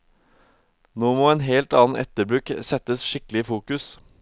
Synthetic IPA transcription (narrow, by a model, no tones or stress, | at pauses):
noːmoːeːnɦeːlt̪ɑːn̩ʔɛ̰t̪əbɾʉksɛt̪əsʃɪklɪifuːkʉs